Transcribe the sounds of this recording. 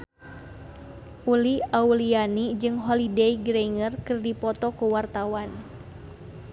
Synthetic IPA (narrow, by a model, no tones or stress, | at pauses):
ʔuliaulianid͡ʒɨŋɦɔlideiɡɾeŋərkɨrdipɔt̪ɔkuwart̪awan